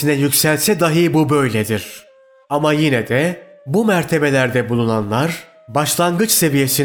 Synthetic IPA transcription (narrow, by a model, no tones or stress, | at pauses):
inɛjycʲsælʲt̪sɛd̪aɦɯjbubø̞jlʲɛd̪iɾ̥ | amajinɛd̪ɛbumæɾt̪ʰe̞be̞lʲæɾd̪ɛbulˠunanlˠaɾ | baʃlˠaŋɡɯt͡ʃse̞vije̞sin